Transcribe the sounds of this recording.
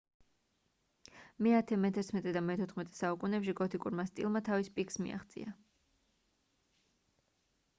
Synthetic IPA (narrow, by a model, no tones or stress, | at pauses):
mɛat̪ʰɛmɛt̪ʰɛɾt̪ʰmɛt̪ʼɛd̪amɛt̪ʰɔt̪ʰχmɛt̪ʼɛ̥saukʼunɛpʃiɡɔt̪ʰikʼṵɾmast̪ʼḭlˠmat̪ʰavispʼikʰsmḭa̰χt̪sʼḭa